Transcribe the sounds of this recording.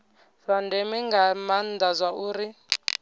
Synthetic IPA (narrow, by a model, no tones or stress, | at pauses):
fandɛmiŋɡamand̪azʷauːɾi